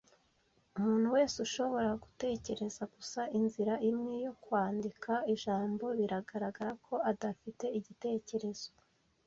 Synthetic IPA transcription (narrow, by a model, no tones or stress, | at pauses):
umuːn̥huwe̞ːsuʃo̞βo̞ɾaɡute̞ːce̞ɾe̞zaɡ̥usaʔinziɾaʔimŋejo̞kwaːndikʰaiʒaːmbo̞βiɾaɡaɾaɡaɾakʰo̞adafite̞iɟite̞ːce̞ɾe̞z̥o̞